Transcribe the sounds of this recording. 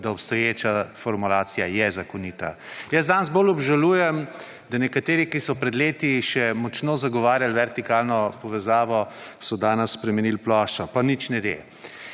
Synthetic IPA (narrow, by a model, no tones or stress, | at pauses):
d̪aɔpst̪ɔjeːt͡ʃafɔɾmulaːt̪sijajɛzakɔnit̪a̰jəzd̪anzbolɔbʒaluːjɛm | d̪anɛkat̪eːɾikisɔpɾɛd̪leːt̪iʃɛmɔt͡ʃnoːzaɡɔʋaːɾjalʋɛɾt̪ikalnɔpɔʋɛzaːʋɔsɔd̪aːnəsːpɾɛmɛnilplɔːʃt͡ʃɔpanit͡ʃnɛɡḛ